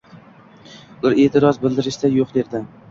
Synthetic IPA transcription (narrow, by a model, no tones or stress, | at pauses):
ɪɾe̞ːt̪ʰɪɾɒzbɪld̪ɪɾɪʃd̪ajoqd̪eɾd̪ɪ